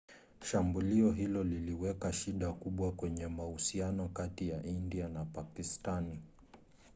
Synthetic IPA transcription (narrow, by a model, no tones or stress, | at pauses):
ʃambuliɔɦilɔliliwɛkaʃiɗakuɓwakwɛɲɛmahusianɔkatijaʔindianapakistani